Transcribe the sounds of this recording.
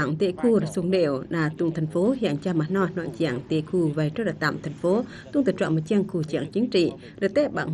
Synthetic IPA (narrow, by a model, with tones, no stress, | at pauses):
aː˧˨ŋt̪ḛ˧˨ku˧ɾaː˨˩su˧əŋɗḛ˧˨əwɗaː˨˩t̪u˧˨ŋt̪ʰɛ˨˩jŋ̟fo˨˦hḭ˧˨əŋt͡ɕaː˧maː˨˩nɔ˧˩jnɔ̰˧˨nt͡ɕḭ˧˨əŋt̪ḭ˧˨ku˧˩va˨˩jt͡ɕo˧˦ɗaː˨˩t̪a̰ː˧˨mt̪ʰɛ˨˩jŋ̟fo˨˦ | t̪u˧˨ŋt̪ɨː˧˩t͡ɕwa̰˧˨nmo˨˩t̚t͡ɕi˧əŋku˧˩t͡ɕḭ˧˨əŋt͡ɕi˨˦ŋt͡ɕḭ˧˨ | ɾə˨˩t̪e˦˥ɓa̰ː˧˨ŋ